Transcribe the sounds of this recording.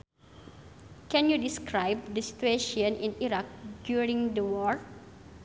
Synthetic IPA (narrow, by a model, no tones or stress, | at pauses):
kɛ̃njudiskɹajb̚dəsi̥t̪ueʃɔ̃nĩniɾak̚djuɹĩŋdəwɔɹ